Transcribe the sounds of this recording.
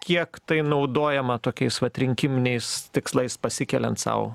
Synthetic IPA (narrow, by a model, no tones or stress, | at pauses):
kʲiɛkt̪ɐɪnɐʊd̪oːjɛmɐt̪oːkʲɛɪsʋɐt̪ʲɾʲɪŋʲkʲɪmʲɪnʲɛɪst̪ʲɪkslˠɐɪspɐsʲɪkʲɛlʲɛnt̪sɐ̰ʊ